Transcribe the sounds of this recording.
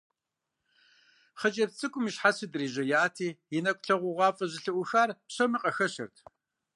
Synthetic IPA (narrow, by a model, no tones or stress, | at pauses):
χət͡ʃʼɐpt͡sʼɨkʷʼʊmiɕħasɨdɨriːʑɐjaːtʰiːjɪnɐkʷʼɬɐʁʷʊʁʷɑːfʼɐʑɪɬɨʔʷʊxaːrpɕɐmɨqʼɐxɐɕɐ̰rtʰ